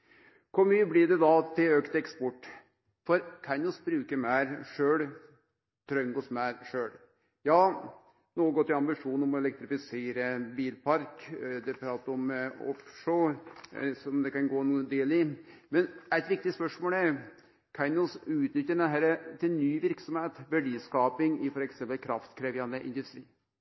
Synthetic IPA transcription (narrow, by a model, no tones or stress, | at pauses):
kʰɔmyːblɪɖɛd̪ɑt̪ʰɪløːkt̪ɛkspɔʈː | fɔɾkʰɑɪnɔsbɾʉːkəɾmæɪɾʂøːl | t̪ʰɾœŋɡɔsmæːɾʂøːɽ | jɑː | noːɡɔt̪ʰːɪɑmbɪʂuːnɔmɔɛlɛk̚t̪ɾɪfɪseːɾəbiːlpʰɑɾkd̪ɛpʰɾɑːt̪əɾɔmɔ̰fʂoɾsɔmd̪ɛkɑnɡoːnud̪eːlɪmɛnæɪt̪ʋɪk̚t̪ɪspœʂmoːlæɾ | kʰɑɪnəlsʉːt̪nʏt̪ːəɖɛnɦæɾət̪ʰɪlnyːʋɪɾksɔmheːt̪ʋæɖiːskɑːpɪŋɪfɔɾɛksɛmpəlkʰɾɑft̪kʰɾeːʋjɑnd̪əʔɪ̰nd̪ʉst̪ɾiː